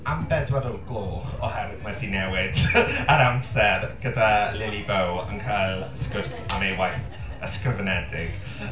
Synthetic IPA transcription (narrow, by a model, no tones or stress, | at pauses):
ambɛdwɛdəlˠɡ̥lˠoːχɔhɛɾɪdmɛdinɛwɪd̥aɾamsɛrɡ̥ədalɪnibəwə̰nkʰalˠskəsɔnejwajθ | əskəvənɛdɪɡ̥